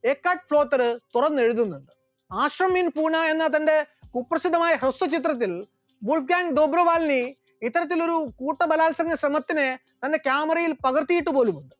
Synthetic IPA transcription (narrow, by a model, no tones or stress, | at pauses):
e̞ːkːaːʈ̚fɭo̞ːt̪ːɐɾɨt̪urɐnːe̞ɻuðunːuɳɖɨ | aːɕrɐmːinpuːɳɐe̞nːɐt̪ɐnde̞upːrɐsid̪ːɐmaːjɐɦɾɐst̪ɐt͡ɕit̪̬rɐt̪̬ːil | buɭfɡaːŋɡd̪oːbɾɐʋaːlni | it̪ːɐɾɐt̪̬ːilo̞ɾukuːʈːɐbɐlaːlsɐŋɡɐɕɾɐmɐt̪ːine | t̪ɐnde̞kjaːmɐrɐjilpɐɣɐrt̪ːijiʈːupo̞ːlumuɳɖɨ